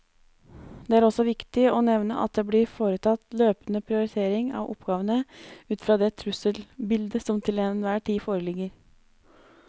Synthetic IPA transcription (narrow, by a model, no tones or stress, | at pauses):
d̪ɛːæːɾɔsːɔʋɪkt̪ɪɔnɛʋnə̰ʔɑ̰t̪̚d̪eːblɪɾfoːɾət̪ʰɑt̪løːpənəpʰɾɪʊɾɪt̪ʰeːɾɪŋɑ̰ʋʔɔ̰pɡ̥ɑːʋənəʉːt̪fɾɑːd̪ɛt̪ʰɾʉsəlbɪld̪əsɔmt̪ʰɪlennʋæːʈʰiːfoːɾəlɪɡːəɾ